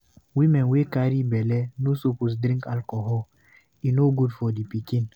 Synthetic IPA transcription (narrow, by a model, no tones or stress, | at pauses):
wimɛnwekaɾibɛlɛnosopus̬dɾĩŋkalkɔɦɔl | inoɡudfɔdipikĩn